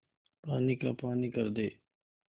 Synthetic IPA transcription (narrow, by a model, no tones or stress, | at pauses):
paːniːka̰ːpaːniːkəɾd̪eː